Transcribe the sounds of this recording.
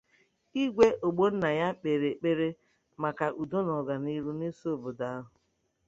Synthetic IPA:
i˦ɡʷe˦ʔo˨ɡ͡bo˦n̩˦na˨ja˦k͡pe˨ɾe˨k͡pe˦ɾe˦ | ma˨ka˨ʔu˨do˦nɔ˨ɡa˨ni˦ɾu˦ni˦so˦˨bʊ˨da˦ɦʊ˨

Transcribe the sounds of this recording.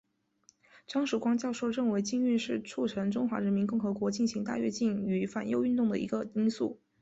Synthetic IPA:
ʈ͡ʂɑ˥ŋʂɻ̩u˨˩kwɑ˥ŋt͡ɕjɑ˥˧ʊʂo˥˧ʊɻə˥˩ŋwe˧˥ɪt͡ɕi˥˧ŋy˥˧ʂɻ̩˥˧ʈ͡ʂʰu˥˩ʈ͡ʂʰɤ˧˥ŋʈ͡ʂʊ˥ŋxwa̰˧˥ɻə˧˥nmi˧˥nkʊ˥˩ŋxɤ˧˥kwɔ˧˥t͡ɕi˥˩nɕi˧˥ŋt̪a̰˥˧ɥɛ̰˥˧t͡ɕi˥˩ny˧˥fa̰˨˩njo˥ʊy˥˧nt̪ʊ˥˩ŋd̪ə̰˩ʔḭ˧˥ɡə˧i˥nsṵ˥˩

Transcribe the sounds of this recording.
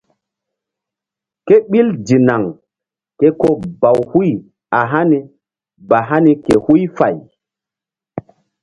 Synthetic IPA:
ke˦ɓi˦ld͡ʒi˨na˨ŋ | ke˦ko˦ba˨whu˦j | a˨ɦa˦ni˨ | ba˨ɦa˦ni˨ke˨hu˦jfa˨j

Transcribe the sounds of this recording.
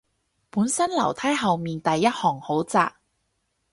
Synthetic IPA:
puː˨˥nsɐ˥nlɐ̰˨˩wt̪ʰaː˥jɦɐ˨wmiː˨nt̪ɐ˨jːɐ˥t̚hɔː˨˩ŋho˨˥wt͡sa̰ː˧k̚

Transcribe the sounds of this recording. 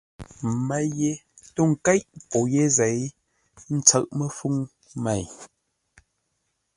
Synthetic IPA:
ma˦je˦ | to˦˨ŋ̩˨kɛ˦ʔpɔ˨je˦zɛ˨j | n̩˦t͡sə˦˨ʔmə˦˨fu˦ŋ | mɛ˨j

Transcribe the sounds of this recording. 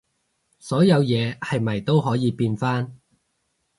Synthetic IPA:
sɔː˨˥jɐ˨˧wjɛː˨˧hɐ˨jmɐ˨˩jt̪o˥wɦɔː˨˥jiː˨˧piː˧nfaː˥n

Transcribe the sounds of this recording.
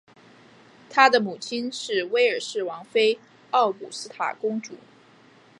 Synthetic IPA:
t̪ʰa˥d̪ə˨mu˨˩t͡ɕʰi˥nʂɻ̩˥˩we˥ɪə˞˨˩ʂɻ̩˥˩wɑ˧˥ŋfe˥ɪ | ɑ˥˩ʊpṵ˨˩sɹ̩˥t̪ʰa̰˨˩kʊ˥ŋʈ͡ʂṵ˨˩˦

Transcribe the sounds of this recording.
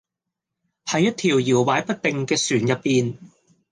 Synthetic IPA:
hɐ˨˧jːɐ˥t̚t̪ʰiː˨˩wjiː˨˩wwaː˨˧˥jpɐ˥t̚t̪ɪ˨˧ŋkɛː˧syː˨˩njɐ˨t̚piː˧n

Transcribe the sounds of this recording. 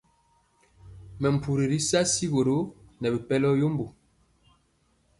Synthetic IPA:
mɛ˨m̩˨pʰu˨ɾi˨ɾi˦sa˦si˦ɣo˨ɾo˦nɛ˨bi˨pɛ˦lɔ˦jo˦mbu˨

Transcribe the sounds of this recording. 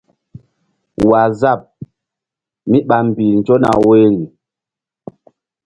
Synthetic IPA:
wa˨za˦˨p̚ | mi˦ɓa˨m̩˨bi˨n̩˨d͡ʒɔ˦na̰˨we˦ŋi˨

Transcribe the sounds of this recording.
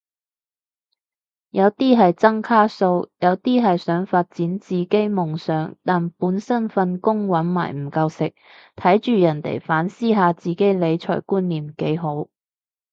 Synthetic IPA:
jɐ˨˧wt̪iː˥ɦɐ˨jt͡sɐ˥ŋkʰaː˥so˧wjɐ˨˧wt̪iː˥ɦɐ˨jsœː˨˥ŋfaː˧t̚t͡siː˨˥nt͡siː˨ke˥jmʊ˨ŋsœː˨˥ŋt̪aː˨npuː˨˥nsɐ˥nfɐ˧nkʊ˥ŋwɐ˨˥nma̰ː˨˩jm̩˨˩kɐ˧wsɪ˨k̚ | t̪ʰɐ˨˥jt͡ʃyː˨jɐ˨˩nt̪ḛ˨˩jfaː˨˥nsiː˥ɦaː˨˧t͡siː˨ke˨˥jle˨˧jt͡ʃʰɔ̰ː˨˩jkuː˥nːiː˨˩mke˨˥jɦo˨˥w

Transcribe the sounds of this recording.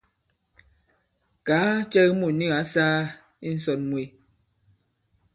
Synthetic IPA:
kaː˨˦t͡ʃɛ˦ɣmu˦˨ni˦˨ɣa˨˦saː˦ | i˦n̩˦s̬ɔ˨t̚mwe˨

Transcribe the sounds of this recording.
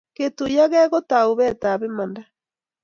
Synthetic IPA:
ke˨tu˨ja˦ɣɛ˦ɣo˦ta˨oβɛ˦ta˨βemanda

